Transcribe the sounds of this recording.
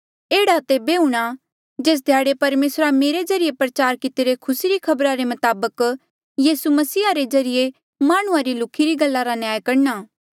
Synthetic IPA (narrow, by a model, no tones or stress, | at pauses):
eːɽat̪ebeuɽ̃a | d͡ʒeːs̬d̪ʱjaːɽepɐɾmeːsɾameːɾed͡ʒɐɾijepɾɐt͡ʃaːɾkɪt̪eɾekʰʊsiɾikʰɐbɾaɾemɐt̪aːbək | jiːsumɐsiːaɾed͡ʒɐɾɪje | maːɽ̃ʊ̃ãɾilʊkʰːiɾiɡɐlːaɾanɪjaːjkɐɽnaː